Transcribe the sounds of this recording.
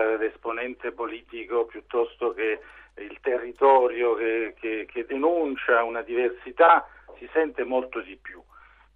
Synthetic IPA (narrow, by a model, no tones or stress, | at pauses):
lesponɛnt̪epoliːt̪ikopjut̪ːɔst̪ok̟eilt̪erːit̪ɔːɾjok̟ek̟ʰek̟ʰed̪enunt͡ʃaunad̪iversit̪a | sisɛnt̪emolt̪od̪ipːju